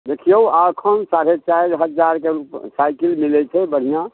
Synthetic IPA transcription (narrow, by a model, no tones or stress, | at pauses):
d̪ekʰijowakʰənsaɾet͡ʃajɾɦəd͡ʒaɾkeupsajkilmilɛt͡ʃʰɛbəɽ̤ijã